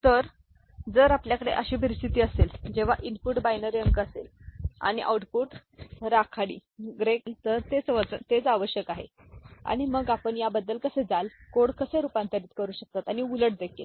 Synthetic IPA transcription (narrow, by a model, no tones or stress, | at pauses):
t̪əɾ | d͡zəɾapljakəɽḛʔəɕiːpəɾist̪ʰit̪iːəseld͡ʑeʋ̤aʔinpuʈbajnəɾjəŋkəsela̰ɽ̃iʔa̰wʈpuːʈɾakʰaɽḭːɡɾeklt̪əɾt̪et͡sʋəd͡zət̪et͡saʋəɕjəkaɦḛ | a̰ɽ̃iməɡapəɳjabəd̪ːəlkəsed͡zalkoɽkəseɾupãnt̪aɾiːt̪kəɾuːɕək̚t̪at̪aɽ̃iuləʈ̚d̪ekʰil